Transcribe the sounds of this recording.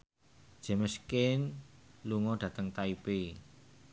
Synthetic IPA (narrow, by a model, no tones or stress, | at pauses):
d̥ʒ̥ə̤məskɪnluŋɔd̥ä̤t̪əŋt̪aipe